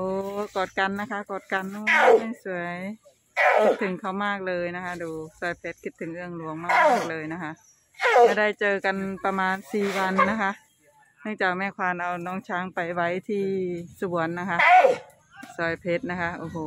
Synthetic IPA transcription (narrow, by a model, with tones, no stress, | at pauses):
ʔoː˧kɔː˨˩t̪̚ka˧˨nːa˦˥kʰa˦˧˥kɔː˨˩t̪̚ka˧˨nʔuː˧˨˧ma˧˥˩jsu˧˦əj | kʰi˦˥t̪ʰːɯ˨˦ŋkʰa˧˩wmaː˥˩k̚lɤː˧jna˦˥kʰa˦˧˥duː˨˩sɔː˨˩˦jpʰe˧˥t̪̚kʰi˧˥t̪ʰːɯ˨˩˦ŋʔɯ˧˩əŋlu˨˩˦əŋmaː˧˥˩wmaː˧˥˩k̚lɤː˧jna˦˧˥kʰa˧˥ʔ | a˧˩da˥˩jt͡ɕɤː˧ka˨npa˧maː˧nsiː˨˩wa˧nːa˦˥kʰa˧˥ʔ | nɯ˧˥˨ŋt͡ɕaː˨˩k̚mɛː˧˩kʰwaː˧˩nʔa˨˩wnɔː˧˥ŋt͡ɕʰaː˧˩ŋpa˨jwa˧˥˨jt̪ʰiː˧˩su˧bu˨˩˦ənːa˧˥kʰa˧˥ʔ | sɔ˧˩˦jpʰe˧˥t̪̚na˦˧˥kʰa˧˥ʔoː˧˩ɦoː˧˦